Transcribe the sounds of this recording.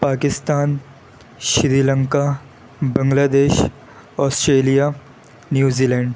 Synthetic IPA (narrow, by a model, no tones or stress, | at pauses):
paːkɪst̪aːn | ʃɾiːlə̃ŋka | bɐ̃ŋɡlaːd̪eːʃ | ɔːsʈɾeːlija | njuːziːlɛ̃ːɳɖ